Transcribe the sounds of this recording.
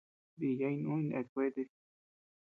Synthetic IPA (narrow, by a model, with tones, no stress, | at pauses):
di˨ja˧˦i˧nũ˦ĩ˧nʔḛ˨kʷe˦d̪e˧